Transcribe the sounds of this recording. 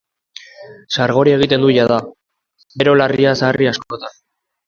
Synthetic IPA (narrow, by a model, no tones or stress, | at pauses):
saɾɣ̞o̞ɾie̞ɣ̞it̪e̞nd̪uʝaða | be̞ɾo̞lariasaːriasko̞t̪an